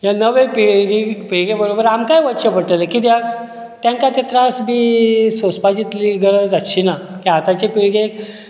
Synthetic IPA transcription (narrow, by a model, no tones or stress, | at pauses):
janəʋepiɡipiɭɡebəɾobəɾamkajʋətɕəpəɽʈ̪əlekit̪ja | t̪jãŋkat̪et̪ɾasbiːsospad͡ʑit̪liɡəɾəd͡zat̪ːɕʰinakiat̪at͡ɕepiɭɡe